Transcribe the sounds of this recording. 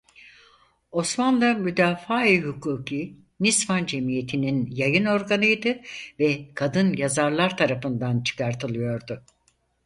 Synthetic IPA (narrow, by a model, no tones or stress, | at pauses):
o̞smanlˠamyd̪aːfaːiɦykʰuːkʰi | nisvand͡ʒe̞mije̞t̪ʰininjajɯno̞ɾɡanɯjd̪ɯvɛkʰad̪ɯnjazaɾlˠaɾt̪ʰaɾafɯnd̪ant͡ʃʰɯ̥kʰaɾt̪ʰɯlˠɯjo̞ɾd̪ʊ